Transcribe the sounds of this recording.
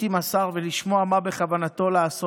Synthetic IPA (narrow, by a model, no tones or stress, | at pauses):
imasaʁveliʃmo̞amabe̞χavanat̪o̞laːso